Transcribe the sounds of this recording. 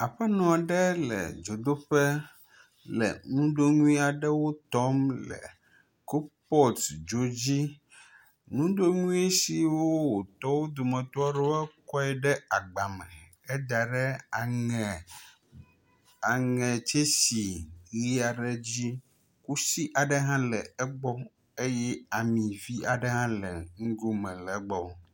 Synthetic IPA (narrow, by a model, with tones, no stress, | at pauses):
a˨ɸɛ˦nɔ̃˨a˨ɖɛ˦lɛ̰˨d͡ʒo˨d̪o˦ɸɛ˦ | lɛ̰˨nũ˦ɖo˦ŋũ˦ĩ˦a˨ɖɛ˦wo˦t̪ɔ˦mlɛ̰˨ | ko˦pɔ˦˨td͡ʒo˨d͡ʑi˦ | nũ˦ɖo˦ŋũ˦ĩ˦e˦si˨wo˦wo˨t̪ɔ˦wo˦d̪o˨mɛ̃˨t̪ɔ˦a˦ɖɛ˦wɛ˦kɔ˦ɛ˨ɖɛ˦a˨ɡ͡ba˨mɛ̃˨ | ɛ˦d̪a˨ɖɛ˦˨ | a˨ŋɛ̃˨t͡ʃe˦si˨ɣi˦a˨ɖɛ˦d͡ʑi˦ | ku˦si˦ʔa˨ɖɛ˦ɦã˦lɛ˨ɛ˦ɡ͡bɔ˦ | e˦jɛ˦a˨mĩ˨vi˦ʔa˨ɖɛ˦ɦã˦lɛ˨ŋũ˦ɡo˦mɛ̃˨lɛ˨˦ɡ͡bɔ˦wo˦